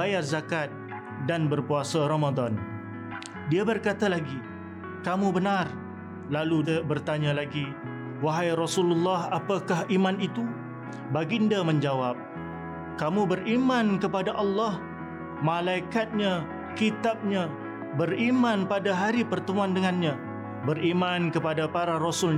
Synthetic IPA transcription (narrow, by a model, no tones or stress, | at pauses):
bajarzakat̪̚ | danbərpuasaɾɔmad̪ɔn | diabərkat̪alaɡi | kamubənar | lalubərt̪aɲãlaɡi | waɦajrɔsululːɑhapakahimãnit̪u | baɡiəndamə̃ɲd͡ʒawap̚ | kamũbərimãnkəpadaʔɑlːɑh | mãlaikat̪̚ɲã | kit̪ap̚ɲã | bərimanpadaɦaɾipərt̪əmuandəŋanɲã | bərimankəpadapaɾarosʊl